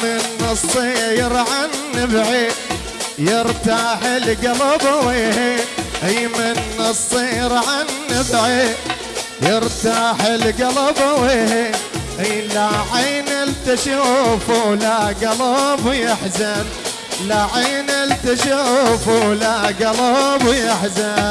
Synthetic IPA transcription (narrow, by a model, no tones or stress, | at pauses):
mɪnːɨsˤːijɪɾʕanːɪbʕi | jɪɾt̪aħɪlɡɑlɑbweːɦiʔijmɪnːɨsˤːijɾʕanːɪbʕi | jɪɾt̪aħɪlɡɑlɑbaweːhʔɪjlaʕiːnɪlt̪aʃufulaɡɑlɑbjɪħzan | laʕiːnɪlt̪aʃufulaɡɑlɑbjɪħza